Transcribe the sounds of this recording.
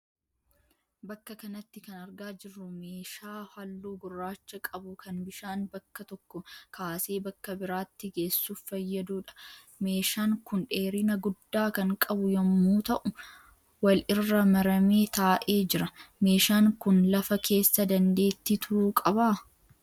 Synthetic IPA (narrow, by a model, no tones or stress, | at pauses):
bɐkːɐkɐnɐt̪ːɪkɐnɐɾɡaːd͡ʒɪrːʊmeːʃaːhɐlːuːɡʊrːaːt͡ʃːɐkʼɐbʊkʰɐnbɪʃaːnbɐkːɐt̪ɔkːɔkʰaːse̞ːbɐkːɐbɪɾaːt̪ːɪɡe̞ːsːuːffɐjːɐd̪uːᶑɐ̥ | me̞ːʃaːŋkʊnᶑe̞ːɾɪnɐɡʊd̪ːaːkɐŋkʼɐbʊjɐmːuːt̪ɐʔʊ | wɐlɪrːɐmɐɾɐmeːt̪aːʔe̞ːd͡ʒɪɾɐme̞ːʃaːŋkʊnlɐfɐkʰe̞ːsːɐd̪ɐnd̪e̞ːt̪ːit̪ʰʊɾuːkʼɐbaː